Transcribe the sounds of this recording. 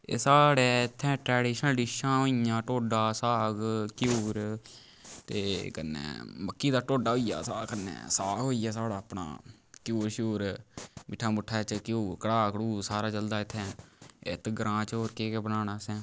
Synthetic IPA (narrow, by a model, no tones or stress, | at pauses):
ḛːsaːɽeːɪt̪ʰːɛ̃ːʈɾɛːɖiːʃənɖiʃãːɦoːiãːʈoːɖaːsaːɡkjuːɾ | t̪eːkənːɛ̰ːməkːiːd̪aːʈoːɖaːɦoːija̰ːsaːkənːɛ̰ːsaːɦoːiːaːsaːɽaːpna̰ːkjuːɾʃuːɾmiʈʰːaːmʊʈʰːaːt͡ʃkjuːɾkəɽaːkɽuːsaːɾaːd͡ʒəld̪aːɪt̪ʰːɛ̃ːɪ̰t̪ʰɡəɾãːt͡ʃoːɾkeːkeːbənaːnaːsɛ̃ː